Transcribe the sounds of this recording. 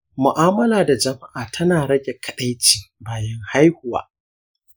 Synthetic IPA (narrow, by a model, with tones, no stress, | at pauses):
mʊ˨ʔaː˦mɐ˦laː˨da˨d͡ʒɐ˨ma˦ʔaː˨tʰɐ˦naː˨ɽɐ˦ɡʲe˨kʰɐ˨ɗɐ˦jt͡ʃiː˨baː˨jɐ˦ŋha˦jhʊ˨wa̰ː˨˦